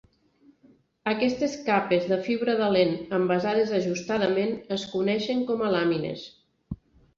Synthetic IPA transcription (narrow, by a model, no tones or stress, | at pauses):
əkɛst̪eskapezðəfiβɾəðəlenəmbəzaðezəʒust̪aðəmenəskunɛʃeŋkɔməlaminḛs